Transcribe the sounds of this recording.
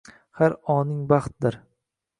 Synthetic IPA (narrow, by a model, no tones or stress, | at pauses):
haɾɒnɪŋbɑχt̪̚d̪ɪɾ